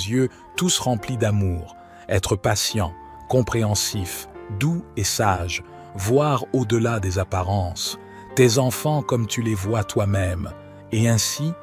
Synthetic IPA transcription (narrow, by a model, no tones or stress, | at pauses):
zjø | t̪usʁɑ̃plid̪amuːʁ | ɛt̪χəpasjɑ̃ | kɔ̃pχeɑ̃sifd̪uesaʒ | vwaʁod̪əlad̪ezapaʁɑ̃s | t̪ezɑ̃fɑ̃kɔmt̪ylevwat̪wamɛm | eɛ̃si